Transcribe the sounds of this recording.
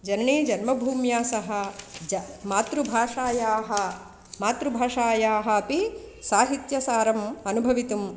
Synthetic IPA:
d͡ʒɐnɐɳiːd͡ʒɐnmɐbʱuːmjaːsɐɦɐɐmaːt̪ɾubʱaːʂaːjaːɦɐ̆ | maːt̪ɾubʱaːʂaːjaːɦɐ̆ɐpi | saːɦit̪jɐsaːɾɐmɐnubʱɐʋit̪um

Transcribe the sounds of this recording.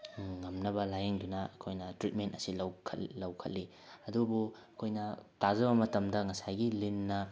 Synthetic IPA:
ŋɐmnɐbɐlajeŋdunɐɐkʰojnɐtɾit̚mentɐsilɐwkʰɐ̰tlɐwkʰɐ̰t̚li | ɐdubuɐkʰojnɐtazɐβɐmɐtɐmdɐŋɐsajɡilinːɐ

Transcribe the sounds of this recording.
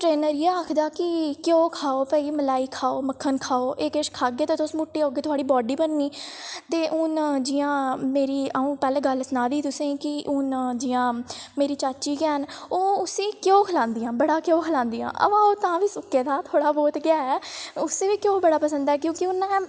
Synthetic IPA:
ʈɾeːnəɾiaːaːkʰd̪aːkɪkjoːkʰaːoːpɛːiːməlaːiːkʰaːoːməkʰːənkʰaːoːʔeːkeʃkʰaːɡeːt̪eːt̪ʊsmʊʈːiːoːɡeːt̪ʰʊaːɽiːbɔːɖiːbənːiːt̪eːʔʊnd͡ʒɪjãːmeːɾiːəũːpɛːlẽːɡəlsnaːd̪iːt̪ʊsẽːkɪʔʊnd͡ʒɪjãːmeːɾiːt͡ʃaːt͡ʃiːɡɛːɦənoːʊsẽːkjoːkʰəlãːnd̪ɪjãːbəɽaːkjoːkʰəlãːnd̪ijã̰ːʔə̰ʋãːoːt̪ãːʋiːsʊkːeːd̪aːt̪ʰoːɽaːbɔːt̪ɡɪjaːɛːʊsẽːʋiːkjõːbəɽaːpəsə̃nd̪aːɛːkjõːkɪʊnɛː

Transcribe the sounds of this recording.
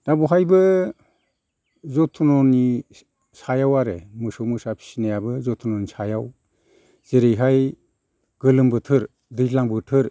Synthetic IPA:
d̥abuɦajbɯ | zɔtʰunɔni | sajawaɾḛmɯsɔwmɯsapʰi̥sinajabɯzɔtʰunɔnisajaw | z̥eɾɯjɦaj | ɡ̥ɯlɯmbɯtʰɯɾ | dɯjlaŋbɯtʰɯɾ

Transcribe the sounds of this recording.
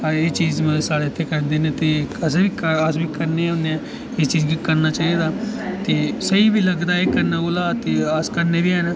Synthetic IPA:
eːt͡ʃiːzmɛ̃ːsaːɽeːɪt̪ʰːeːkəɾnd̪eːnet̪eːəsebiːkəəsbʱiːkəɾneãʊnːeɛ̃ː | ɪst͡ʃiːd͡ʒɡikəɾnaːt͡ʃaːid̪aːt̪eːsəiːbʱiːləɡd̪aːekəɾnaːɡoːlaːt̪eːəskəɾneːbiːɛːnaː

